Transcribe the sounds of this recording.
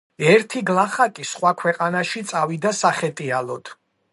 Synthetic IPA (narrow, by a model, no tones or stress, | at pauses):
ɛɾt̪ʰiɡlˠaχakʼisχwakʰwɛqʼanaʃit̪sʼavid̪asaχɛt̪ʼialɔd̪̥